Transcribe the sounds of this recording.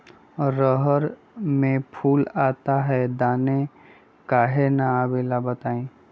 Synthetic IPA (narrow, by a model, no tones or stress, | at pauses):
ɔɾəɦəɾ | mẽpʰuːlaːt̪aɦɛd̪aːne | kaːɦenaaːbeːlabət̪aːẽː